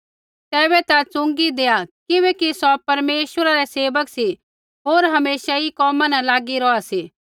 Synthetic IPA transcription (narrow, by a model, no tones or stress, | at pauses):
t̪ɛːβɛt̪at͡sʊ̃ŋɡid̪eːakɪβɛkisɔpɐɾmeːʃwəɾaɾɛseːʋəksi | ɦoːɾɦɐmeːsaikɔːmãnɛlaːɡiɾɔasiː